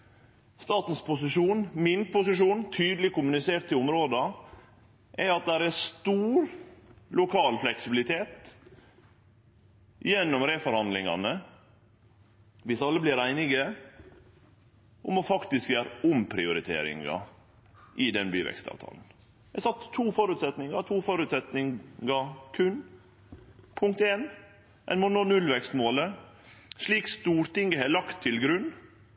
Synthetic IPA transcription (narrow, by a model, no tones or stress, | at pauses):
st̪ɑːt̪n̩spʊsɪʂuːnmɪnpʊsɪʂuːnt̪ʰyːd̪lɪkʊmʉnɪseːɾʈt̪ʰːɪʊmɾoːd̪ɑ | ʔɛɑt̪̚d̪æɾɛst̪uːɾlʊkʰɑːlflɛksɪbɪlɪt̪ʰeːt̪ | jɛnːɔmɾeːfɔɾhɑnd̪lɪŋɑ̰nə | ʋɪsɑlːəblɪɾæɪnɪɡə | ʔʊmofɑkt̪ɪskjøːɾʊmpʰɾɪʊɾɪt̪ʰḛːɾɪ̰ŋɑ̰ | ʔɪd̪ɛnbyːʋɛ̰kst̪ɑ̰ːʋt̪ʰɑ̰ːln̩ | jɛsɑt̪ʰːuːfɔɾʉːt̪sɛt̪nɪŋɑt̪ʰuːfɔɾʉt̪sɛt̪nɪŋɡɑkʰʉn | pʰʊŋk̚t̪eːn | ʔɛ̰nmɔnoːnʉlʋɛkst̪moːlə | ʂɭiːkst̪uːɾt̪ɪŋəɦɛlɑkt̪ʰːɪlɡɾʉnː